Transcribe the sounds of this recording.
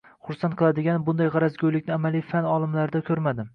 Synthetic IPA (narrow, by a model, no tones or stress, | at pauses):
χʊɾsant̪̚qʰɨlˠad̪ɪɡʲanbʊnd̪ajʁɑɾazɡʲojlɪkʲnɪamalijfanɒlˠɪmlaɾɪd̪akʲʰɵɾmad̪ɪ